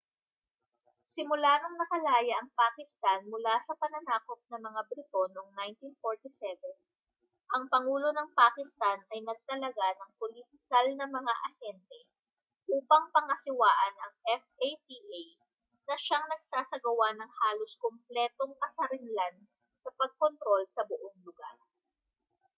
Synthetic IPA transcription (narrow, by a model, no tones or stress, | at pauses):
sɪmʊlaːnoŋnɐkɐlaːjɐʔɐŋpaːkɪst̪anmʊlasɐpɐnɐnaːko̞p̚nɐmɐŋabɾɪt̪o̞noŋnajnt̪infoɹt̪isɛvɛn | ʔɐŋpɐŋuːlo̞nɐŋpaːkɪst̪anʔɐjnɐɡ̚t̪ɐlɐɡanɐŋpolit̪ɪkɐlnɐmɐŋaʔɐhɛnt̪ɛ | ʔuːpɐŋpɐŋɐsɪwaːʔɐnɐŋʔɛfʔejt̪iʔej | nɐʃaŋnɐɡsaːsɐɡɐwanɐŋhaːloskomplɛːt̪o̞ŋkɐsɐɾɪnlan | sɐpɐɡ̚kont̪ɾo̞lsɐbʊʔoŋlʊɡa̰ɾ